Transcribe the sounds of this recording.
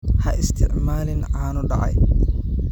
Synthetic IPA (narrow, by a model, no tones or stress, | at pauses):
hɐʔɪst̪ʰɪʕmaːlɪnʕaːnʊɖɑʕɑ̰j